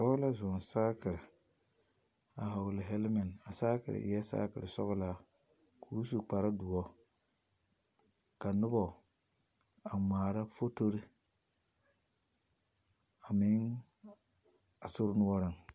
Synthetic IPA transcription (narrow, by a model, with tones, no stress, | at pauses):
sɔ˦ɣla˦zɔ˨n˨saː˦kɪ˨ɾɪ˨ | a˨ɦa˨wlɪ˨ɦɛ˦lma˨n˨a˨saː˦kɪ̰˨ɾɪ̰˨˦ɛ˦sa̰ː˦kɪ˨ɾɪ˨sɔ̰˦ɣʊ˦la˦ | kʰuː˦su˨k͡pa˨ɾa˦du˨ɔ˦ | ka˨nʊ˦bɔ˨ | a˨maː˨ɾa˦fo˦to˦ɾɪ˦ | a˨mɪ˦ŋ | a˨sʊ˦ɾnʊ˦ɔ˦ɾɪ˦ŋ